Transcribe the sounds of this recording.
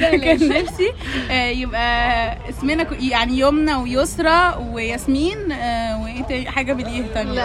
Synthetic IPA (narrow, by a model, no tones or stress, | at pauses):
kænefsiʔjebʔæʔesmenækjaʕnijomnæwejosɾˤɑwejæsmiːnweʔeːt̪ænħaːɡæbelʔiːhæt̪ˤɑn